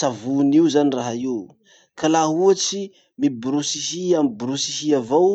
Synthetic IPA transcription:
savuniuzaniraɦaiu | kalaɦuat͡si | mibɾusihiamibɾusiɦiavow

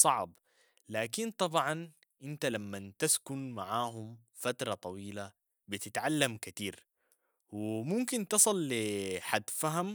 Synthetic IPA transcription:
sˤɑʕb | laːkint̪ˤɑbʕɑn | ʔɪnt̪alamːant̪askʊnmaʕaːɦum | fat̪ɾˤɑt̪ˤɑwiːla | bit̪ɪt̪ʕalːamkat̪iːɾ | wɪmʊmkint̪ɨsˤɨlːiħad̪ːfaɦam

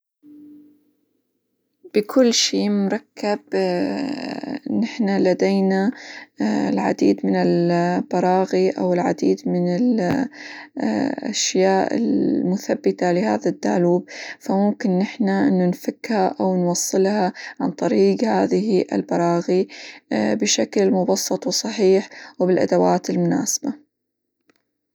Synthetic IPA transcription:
b̥ɪkʰʊlːʃiːmʊɾˤɑkːab | nɪħnalad̪ejna | lʕa̰d̪iːd̪mɪnɪlb̥ɑɾˤɑːɣiʔa̰wɪlʕa̰d̪ḭːd̪mɪnɪl | ʔa̰ʃjaːʔɪ̰lmʊθabːɪt̪alɪha̰ːðad̪ːa̰ʕluːb̚famʊmkɪnːɪħnaʔɪnːʊnfakːhaʔawnwɑsˤːɨlhɑʕant̪ˤɑɾiːɡhaːðɪhiʔɪ̰lbɑɾˤɑːɣi | bɪʃaklmʊbɑsˤːɑt̪ˤwsˤɑħiːħwɪbɪlʔa̰d̪awaːt̪ɪlmʊna̰ːsḁba

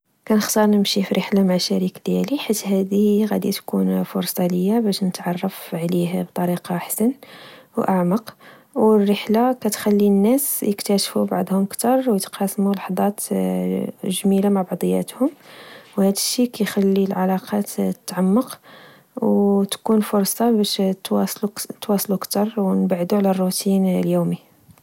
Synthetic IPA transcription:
kænəxt̪ɑɾˤnəmʃifiɾəħlamaʕʃæɾikd̪jæliħit̪ːhæd̪iɣæ̰d̪it̪kunfʊɾsˤɑləjːabæʃnət̪ʕɑrˤːɑfʕlihbt̪ˤɑɾiqɑħsænwʔaʕmɑq | wərːəħlakæt̪xælːinːæsjəkt̪æʃfubɑ̰ʕd̪ˤhʊmkt̪ɑɾˤwjət̪qɑsmulɑħd̪ˤɑt̪ | ʒmilamaʕbɑʕd̪ˤəjːæ̰t̪hʊmwhæd̪əʃːikæjxælːilʕalɑqɑt̪t̪ːʕamːəq | wt̪kunfʊɾsˤɑbæʃt̪wɑsˤlut̪wɑsˤlukt̪ɑɾˤwnbʕd̪uʕlærˤːut̪inljumi

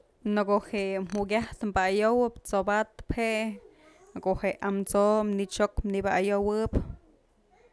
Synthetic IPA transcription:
nokohem̥uɡʲaht̪mbaajowɨpt͡sobat̪̚pheʔ | koʔheʔamt͡somnit͡ʃokmnibaʔajowɨp

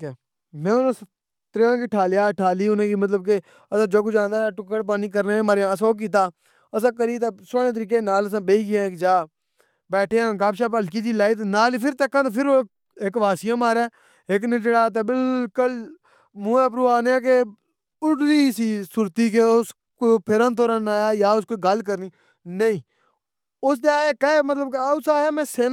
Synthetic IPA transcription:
kɛː | mɛ̃ːʊnãːs | t̪ɾjãːkiʈʰaːljaːʈʰaːliːʊnẽːkiːmət̪ləb̚ke | əsãːd͡ʒoːk̬ʊt͡ʃãːnd̪aːʈʊkːəɽp̬aːniːk̬əɾnẽːmaːɾjãːəsoːk̬iːt̪̬aː | əsãːk̬əɾiːt̪eːsoːnẽːt̪əɾiːk̬ẽːnaːləs̬ãːbeːiːkɪjãːkd͡ʒaː | bɛːʈʰeːãːɡaːpʃaːp̬əlkiːt̪iːlaːit̪̬enaːliːpʰɪɾt̪eːkʰːãːt̪eːpʰɪɾoː | kʋaːsɪjãːmaːɾɛː | eknɪt͡ʃəɽaːt̪̬eːbɪlkəl | muːẽːp̬ɾuːaːneaːk̬e | ʊʈɾiːsiːsʊɾt̪iːk̬eːʊs | koːpʰɪɾãːnt̪oːɾãnaːjaːjaːʊskoːɡəlkəɾniː | nəĩː | ʊsd̪eːaːjaːkəmət̪ləbkaʊsaːjaːmɛ̃ːseː

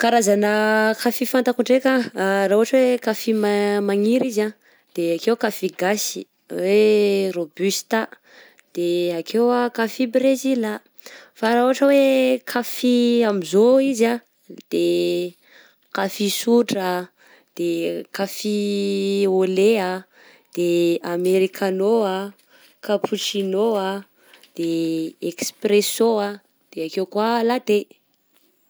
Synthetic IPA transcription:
kaɾazanəkafifant̪akuɳɖ͡ʐekaraɦuaʈ͡ʂəwekafimamaŋiɾiza | d̪̥eakewkafiɡasi̥ | werobyst̪a | d̪̥eakʰewakafibɾezila | faɾaɦuaʈ͡ʂəwekʰafiamizoiza | d̪̥e | kafisuʈ͡ʂa | d̪̥ekafi | olea | d̪̥eameɾikʰanoa | kapʰuʈ͡ʂinoa | d̪̥eekspresoa | d̪̥eakekwalad̪e

